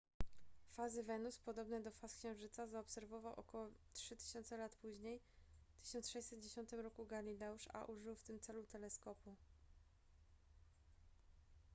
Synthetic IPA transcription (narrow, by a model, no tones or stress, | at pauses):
fazɘvɛnuspɔd̪ɔbnɛd̪ɔfaskɕɛ̃w̃ʐɘt̪sazaɔpsɛɾvɔvawʔɔ̰kɔwɔtʂɘt̪ɘ̥ɕɔnt̪sɛlat̪puʑɲej | t̪ɘ̥ɕɔnt̪sʂɛjsɛt̪d͡ʑeɕɔnt̪ɘmɾɔkuɡalʲilɛuʂa̰ʔuʐɘwft̪ɘmt̪sɛlut̪ɛlɛskɔpu